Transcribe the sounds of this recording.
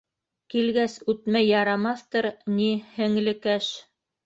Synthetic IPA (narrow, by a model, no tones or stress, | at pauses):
kilɡæsʉt̪mæjːɑɾɑmɑθt̪ɤɾnihɘ̆ŋlɘ̆kæʃ